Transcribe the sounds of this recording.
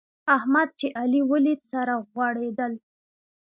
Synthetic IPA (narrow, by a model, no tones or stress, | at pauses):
ahmad̪̚t͡ʃeʔaliwəlit̪saɾaɣwaɽed̪əl